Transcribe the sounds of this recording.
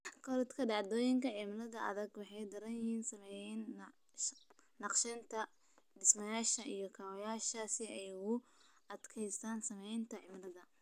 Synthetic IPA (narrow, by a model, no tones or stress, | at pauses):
kʰɔɾd̪kʰɐɖɑʕd̪ɔːjɪŋkɐʕimlɐðɐʔɐ̰ðɐɡwɑħɑjd̪ɐɾɐnjɪhiːnsɐmɛjɛn | nɑqʃɐnt̪ʰɐ | ɖɪsmɐjaːʃɐʔijɞkʰaːwɔjaːʃɐsɪɛjʊ | ɐd̪kʰɛjst̪ʰaːnsɐmɛjnt̪ʰɐʕɪmlɐðɐ